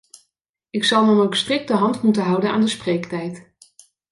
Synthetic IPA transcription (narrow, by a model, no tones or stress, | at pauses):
ɪksɑlˠmənowkstrɪk̚təɦɑntmutənɦʌwdəna̰ːndəsprejktɛjt